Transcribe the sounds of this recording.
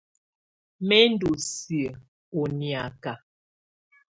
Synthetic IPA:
mɛ˦n˦du˨si˨ə˨ | o˨ni˨a˨ka˨

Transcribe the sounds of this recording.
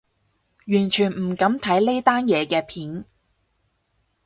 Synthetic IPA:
jyː˨˩nt͡ʃʰyː˨˩nm̩˨˩kɐ˨˥mt̪ʰɐ˨˥jle˥jt̪aː˥njɛː˨˧kɛː˧pʰiː˨˥n

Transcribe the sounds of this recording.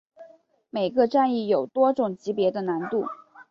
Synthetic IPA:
me˨˩ɪɡə˧˦ʈ͡ʂa˥˧ni˥˩jo˨˩ʊt̪wɔ˥ʈ͡ʂʊ˨˩ŋt͡ɕi˧˥pjɛ˧˥d̪ə˧na˧˥nt̪u˥˩

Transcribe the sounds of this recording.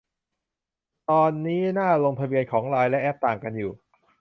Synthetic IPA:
t̪ɔː˧nːiː˦˥naː˥˩loː˧ŋp̪ʰa˧bi˧ənkʰɔː˩˦ŋɾaː˧jlɛ˦˥ʔɛː˦˥p̚t̪aː˨˩ŋka˧njuː˨˩

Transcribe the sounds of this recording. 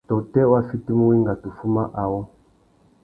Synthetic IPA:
tɔ˨tɛ˦wa˦fi˦ti˦mu˦wi˦ŋɡa˨tu˨fu˦ma˦ʔa˨wɔ˦

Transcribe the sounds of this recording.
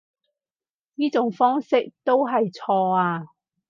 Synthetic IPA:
niː˥t͡sʊ˨˥ŋfɔː˥ŋsɪ˥k̚t̪o˥wɦɐ˨jt͡sʰɔː˧aː˧

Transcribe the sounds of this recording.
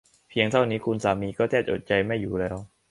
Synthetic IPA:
pʰi˧əŋt̪ʰa˥˩wniː˦˥kʰu˧nsaː˩˦miː˧kɔː˥˩t̪ʰɛː˥˩t̚ʔo̰˨˩t̪̚t͡ɕa˧jma˥˩jːuː˨˩lɛː˦˥w

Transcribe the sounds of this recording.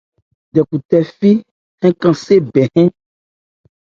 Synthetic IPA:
ɖɛ˨ku˨t̪ɛ˨fi˦ | hɛ̃˦kã˨se˦bɛ˨hɛ̃˦

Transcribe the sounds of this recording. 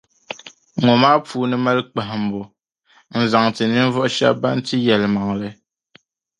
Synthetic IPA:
ŋɔ˨maː˦p͡fuː˦nɨ˦ma˦lk͡pa˨ɦm̩˨bɔ˨ | n̩˨za˨ŋti˨ni˦n˦vɔ˦ʔʃa̰˦ba˦n̩˦ti˦jɛ˨lma˨ŋlɛ˦

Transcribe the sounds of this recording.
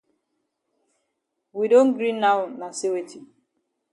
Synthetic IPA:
wi˨do˦n̩˦ɡɾi˦na˦ʊna˨se˦we˦tʰi˨

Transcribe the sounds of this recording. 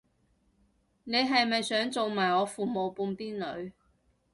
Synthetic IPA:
ne˨˧jɦɐ˨jmɐ˨jsœː˨˥ŋt͡so˨wmaː˨˩jɔː˨˧fuː˨mo˨wpuː˧npiː˥nlɵ˨˧ɥ

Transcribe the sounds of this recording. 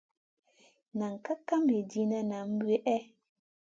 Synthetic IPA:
nã˨ŋ̩˨ka˦ka˦m˦e˨di˦nã˦nã˨m̩˦bu˦e˦ʔɛ˦

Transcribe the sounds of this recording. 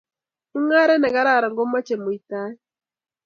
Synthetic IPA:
u˦ŋa˦ɾɛ˦nɛ˨ɣa˦ɾa˦˨ɾa˨ŋɡɔ˦ma˦t͡ʃɛ˨mo˨i˨ta˦

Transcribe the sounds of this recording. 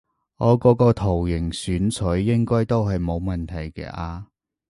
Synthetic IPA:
ŋɔː˨˧kɔː˨˧kɔː˧t̪ʰo˨˩wjɪ˨˩ŋsyː˨˥nt͡sʰɵ˨˥ɥːɪ˥ŋkɔː˥jt̪o˥wɦɐ˨jmo˨˧wmɐ˨nt̪ʰɐ˨˩jkɛ̰ː˧ʔaː˧

